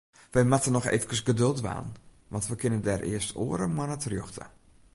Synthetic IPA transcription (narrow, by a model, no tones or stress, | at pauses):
ʋɛjmatənɔxḛfəkəsɡədølˠtʋa̰ːn | ʋɑntʋəkɪnəndɛrʔɪ̰əstʰo̰ːəɾəmanətrjoxtʰə̰